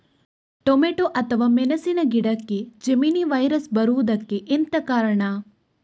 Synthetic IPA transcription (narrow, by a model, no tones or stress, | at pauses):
ʈomeʈoʔɐt̪ʰɐʋaːmenɐsinɐɡiɽɐkːed͡ʒɐminiʋajɾəsbɐɾuːd̪ɐkːeʔɪnt̪ɐkaːɾɐɳaː